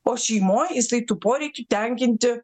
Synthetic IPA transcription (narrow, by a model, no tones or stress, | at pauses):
oːʃʲɛɪmoːjɪsɐɪt̪upoːɾʲɛɪt̪ʲut̪ʲæŋʲkʲɪnʲt̪ʲɪ